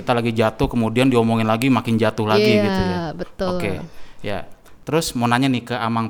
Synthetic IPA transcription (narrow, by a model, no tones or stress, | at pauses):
kit̪alaɡid͡ʒat̪ʊhkəmudiandiomoŋɪnlaɡimakɪnd͡ʒat̪ʊhlaɡiɡit̪ujabət̪okeja̰t̪əɾʊsmonaɲanɪhkəamaŋ